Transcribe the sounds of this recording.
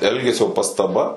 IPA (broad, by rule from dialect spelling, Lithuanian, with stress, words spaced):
ˈɛlʲɡʲɛsʲoː pɐstɐˈbɐ